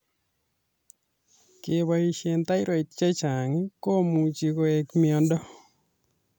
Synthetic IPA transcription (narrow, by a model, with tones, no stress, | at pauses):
kɪ˨wa˨i˨ʃe˨nt̪a˦ɪ˦ɾo˨i˨tt͡ʃa˦t͡ʃa˨ŋi˦ko˦mu˨t͡ʃi˨ko˨e˨kmɪɔ˨ndɔ˦